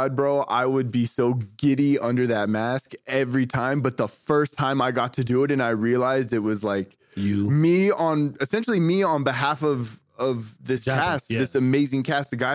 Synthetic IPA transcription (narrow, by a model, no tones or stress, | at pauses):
ɑd̚bɹoʊʔa̰ɪwɨd̚bisoʊɡɪɾiʌ̃ndə˞ðɨt̚mæskɛvɹitʰãɪ̃mbʌt̪̚ðəfɜ˞stʰãɪ̃maɪɡɑtʰɨdɨːɾɨ̃naɪɹiɨlaɪzdɨt̚wʌzlaɪk | jmiə̃nɨsɛ̃nʃl̩ˠimiə̃nbɨɦæfʌv | ʌvðɪskæst̚ðɪsɨmeɪzɪ̃ŋkʰæstɨɡaɪ